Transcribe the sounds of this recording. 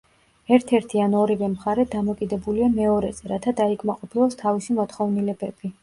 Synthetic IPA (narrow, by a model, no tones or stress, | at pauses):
ɛɾt̪ʰɛɾt̪ʰianɔɾivɛmχaɾɛd̪amɔkʼid̪ɛbuliamɛɔɾɛzɛɾat̪ʰad̪aikʰmaqʼɔpʰilˠast̪ʰavisimɔt̪χɔvnilɛbɛb̥i